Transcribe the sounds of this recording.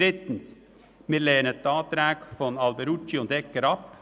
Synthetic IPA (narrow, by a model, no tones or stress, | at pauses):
ɾɪt̪n̩s | miːɾleːnət̪̚ːɑːt̪ɾæːɡfɔnɑlbəɾʊt͡ʃɪond̪ɛkːəɾɑp